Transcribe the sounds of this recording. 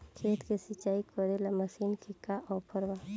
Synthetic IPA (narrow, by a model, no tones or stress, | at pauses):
kʰeːt̪kesɪt͡ʃaːikɔɾelamɐsiːnkʰɪkaʔɔɾpʰəɾʋa